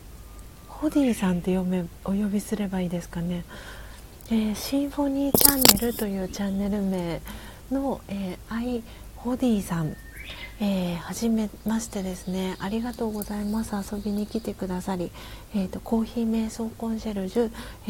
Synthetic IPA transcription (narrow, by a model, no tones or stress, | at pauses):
ho̞d̪ʲiːsãnt̪e̞jo̞me̞o̞jo̞bʲisɨɾe̞baiːd̪e̞sɨ̥kane̞ | eːɕĩɰ̃ɸo̞ɲ̟iːt͡ɕãnːe̞ɾɯ̟t̪o̞jɯ̟ːt͡ɕãnːe̞ɾɯ̟me̞ː | no̞eːai | ho̞d̪ʲiːsãŋ | eːhaʑime̞maɕi̥t̪e̞d̪e̞sɨne̞aɾʲiɡat̪o̞ːɡo̞zaimasɨaso̞bʲiɲ̟ikʲit̪e̞kɯ̟d̪asaɾʲi | eːt̪ːo̞ko̞ːçiːme̞ːso̞ːkõ̞ɰ̃ɕaɾɯ̟ʑɨ